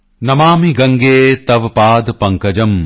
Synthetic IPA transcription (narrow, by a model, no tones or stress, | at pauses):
nɐmaːmiɡɐŋɡeːt̪ɐʋpaːd̪pɐŋkɐd͡ʒɐm